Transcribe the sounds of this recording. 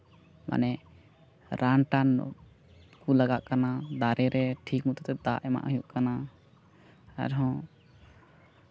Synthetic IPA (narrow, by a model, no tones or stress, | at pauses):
mʔa̰nɛ | ɾʔanʈan | kulaɡaʔkanad̪aɾɛɾɛʈʰik̚mut̪ɔt̪ɛd̪aʔɛma̰ʔjuʔkana | ɛ̰ɾɦɔ̃